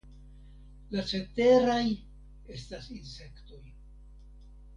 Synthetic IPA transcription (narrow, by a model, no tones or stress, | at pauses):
lat͡ʃe̞te̞ɾaj | e̞stasinse̞kto̞j